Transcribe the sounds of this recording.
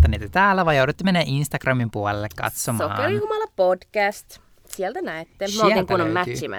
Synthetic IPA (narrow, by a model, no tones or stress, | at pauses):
t̪ːɑneːt̪æt̪æːlːæʋɑjowdet̪ːimenːæʔinst̪ɑɡrɑmimpuolelːekkɑ̰t̪somɑo̰ːkerijumɑlɑpodkæst̪ | sielt̪ænæet̪ːemoiŋkunommæimæ̰